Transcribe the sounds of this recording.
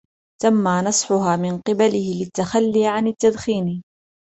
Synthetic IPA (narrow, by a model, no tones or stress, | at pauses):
t̪amːaːnɑsˤħʊɦaːmɪnqɨbalɪhɪlɪt̪ːaxalːiːʕanat̪ːad̪xiːn